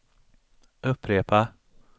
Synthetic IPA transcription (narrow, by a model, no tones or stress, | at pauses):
ɵpʰːɾeːpa